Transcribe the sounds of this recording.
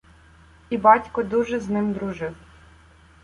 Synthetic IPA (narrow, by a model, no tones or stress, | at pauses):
ibɑtʲkɔd̪uʒɛznɪmd̪ɾʊʒɪw